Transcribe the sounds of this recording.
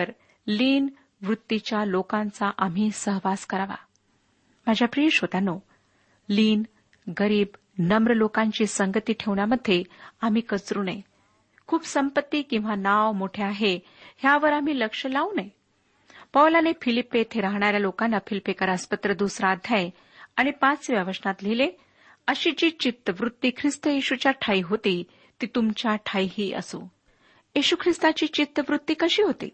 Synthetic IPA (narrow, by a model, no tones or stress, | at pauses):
əɾ | liːn | ʋɾut̪ːit͡ɕjalokãnt͡saʔam̤iːsəɦʋaskəɾaʋa̰ | m̤ad͡ʑʱjapɾieʂɦot̪ano | liːn | ɡəɾiːb | nəmɾəlokãɲt͡ɕiːsəŋɡət̪iːʈʰeʋɳjaməd̪ʱːjeam̤iːkət͡sɾuːnaj | kʰuːpsəmpət̪ːiːkĩw̃ʋanaʋmoʈʰeaɦe | hjaʋəɾam̤iːləkʂəlaunaj | pəʋlanefilipːet̪ʰeɾaɦɳ̃aɾjalokanːafilipekaɾəspət̪ɾəd̪usɾad̪ʱjaje | aɽ̃ipãt͡sʋjəʋəsnat̪lile | əɕiːd͡ʑiːt͡ɕit̪ːəʋɾut̪ːiːkʰɾist̪əjiɕut͡ɕjaʈʰaiɦot̪i | t̪iːt̪umt͡ɕjaʈʰaiɦiːʔə̰so̰ | jiɕukʰɾist̪at͡ɕiːt͡ɕit̪ːəʋɾut̪ːiːkəɕiːɦot̪ḭː